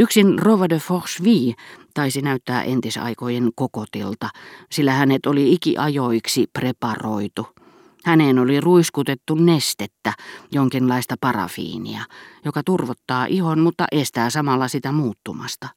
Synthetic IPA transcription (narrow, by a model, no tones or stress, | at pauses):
yksinroʋɑdøfoʁsʋiːt̪ɑisinæyt̪ːæ̰ːʔent̪isɑ̰ikojenkokot̪ilt̪ɑsilːæhænet̪oliikḭʔɑjoiksiprepɑroit̪u | hænenoliruiskut̪et̪ːunnest̪et̪ːæjoŋkinlɑist̪ɑpɑrɑ̰fḭːnḭɑjokɑt̪urʋot̪ːɑːʔihonmut̪ːɑ̰ʔest̪æːsɑmɑlːɑsit̪æmuːt̪ːumɑ̰st̪ɑ